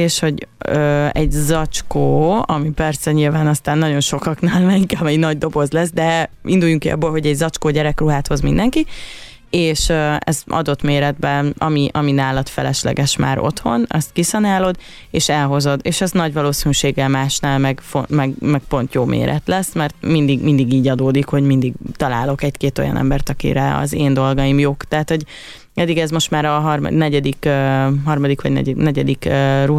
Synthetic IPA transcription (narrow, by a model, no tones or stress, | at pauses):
eːʃho̞ɟøɛɟzɒt͡ʃkoːɒmipɛrsɛɲilvaːnɒst̪aːnːɒɟo̞nʃo̞kɒknaːlmɛiŋkɛɒmɛjnɒɟd̪o̞bo̞zlɛs̬d̪ɛind̪ujːuŋkiɒ̰bːoːlɦo̞ɟɛɟzɒt͡ʃkoːɟɛɾɛkruɦaːt̪ho̞zmind̪ɛŋki | eːʃøɛ̰zɒ̰d̪o̞t̪meːɾɛd̪bɛɒ̰miʔɒminaːlɒt̪fɛlɛʃlɛ̰ɡɛʃma̰ːɾo̞̰t̪ho̞nɛ̰st̪kisɒnaːlod̪ | eːʃɛlɦo̞zo̞d̪eːʃɛznɒɟvɒloːsinyʃeːɡːɛlmaːʃnaːlmɛɡfomɛɡmɛɡ̚po̞nt̪joːmḛːɾʔɛ̰t̪lɛsːmɛrt̪mind̪iɡmind̪iɡiːɟɒd̪oːd̪ikho̞ɟmind̪iɡt̪ɒla̰ːlo̞kɛɟkeːt̪o̞̰jɒ̰nɛ̰mbɛrt̪ɒkḭɾɛɒ̰zeːnd̪o̞lɡɒimjoːkt̪ɛɦat̪ho̞ɟ | ɛd̪ːiɡɛzmo̞ʃt̪maːɾɒɦɒrm̰nɛɟɛd̪ikːɦɒrmɒd̪ikʋɒɟnɛ̰nɛɟɛd̪ikru